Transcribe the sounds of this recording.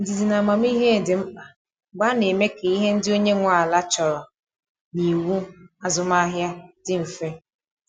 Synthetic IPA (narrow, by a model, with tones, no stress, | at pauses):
n̩˨di˨zi˨na˨ma˨m̩˦i˦ɦe˦˨dɪ˨m̩˦k͡pa˨ | ɡ͡ba˦ne˨me˦ke˨i˦ɦe˦n̩˦dɪ˦o˦ɲe˦ŋʷa˨a˨la˦t͡ʃɔ˨ɾɔ˨ | ni˨wu˦a˦zʊ˨m˦a˦ɦja˦dɪ˦ɱ̩˨fe˦